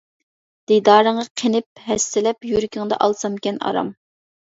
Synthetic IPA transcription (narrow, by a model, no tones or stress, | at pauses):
d̪̥id̪ɑːɾəŋʁɑqʰenɪp̚ɦɛst̪ɪlɛpjyɾkʲɪŋd̪ɑ̰ʔɑlˠsɑmkʲɛnɑ̰ɾɑ̰m